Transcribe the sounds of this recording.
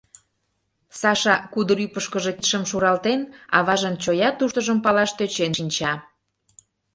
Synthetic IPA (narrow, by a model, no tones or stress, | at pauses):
sɑʃɑkud̪əɾypəʃkəʒe̽k̪ʃəmʃuɾɑlt̪enɑ̰βɑʒənt͡ɕojɑt̪uʃt̪əʒəmpɑlɑʃt̪øt͡ɕenʃinʲt͡ɕɑ